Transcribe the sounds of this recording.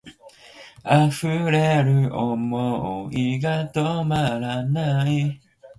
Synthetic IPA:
afɯɾeɾɯomɔoiɡatomaɾanai

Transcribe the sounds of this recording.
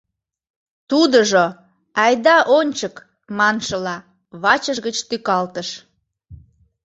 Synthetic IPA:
t̪ud̪əʒo | ɑjd̪ɑʔonʲt͡ɕək | mɑnʃəlɑ | βɑt͡ɕəʒɣət͡ɕt̪ykɑlt̪əʃ

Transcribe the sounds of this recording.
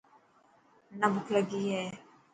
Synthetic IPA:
nɐbʊkʰləɡiːɦɛː

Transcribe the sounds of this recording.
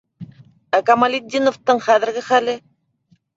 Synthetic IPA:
ækɑmalʲid̪ʲːinŏft̪ɤɴχæðɘ̆ɾɡɘχælɘ

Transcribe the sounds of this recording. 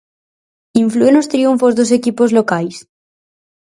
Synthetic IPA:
iɱfluenost̪ɾiuɱfozðos̬e̞kipo̞zlokajs

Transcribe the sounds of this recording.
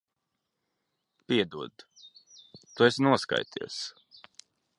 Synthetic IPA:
pʲiɛd̪uɔd̪ | t̪uesnuɔska̰jt̪ʰiɛs

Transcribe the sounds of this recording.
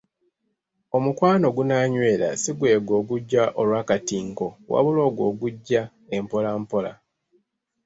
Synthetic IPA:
o̞mukwaːno̞ɡunaːɲwe̞ːla̰siɡwe̞ːɡo̞ːɡuɟːaʔolwaːkatiːŋko̞wʔa̰βulo̞ːɡwo̞ːɡuɟːa | empo̞laːmpo̞la̰

